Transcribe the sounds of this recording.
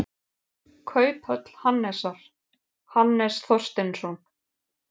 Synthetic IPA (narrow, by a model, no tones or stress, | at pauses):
kʰœːɥphœt̪l̥hanːɛsaɾ̥ | hanːɛsθɔr̥st̪ɪnsɔn